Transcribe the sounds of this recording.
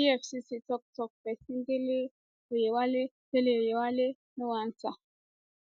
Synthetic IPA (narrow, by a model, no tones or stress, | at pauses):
iɛfsisitɔk̚tɔk̚pɛsindele | ojewale | telejewale | niwant͡sa